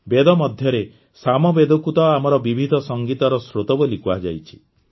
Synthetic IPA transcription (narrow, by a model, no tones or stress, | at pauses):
bed̪ɔmɔd̪ʱjɔɾe | samɔbed̪okut̪ɔamɔɾɔbibʱid̪ʱɔsɔŋɡit̪ɔɾɔsɾot̪ɔbolikuad͡ʒajt͡ʃʰi̥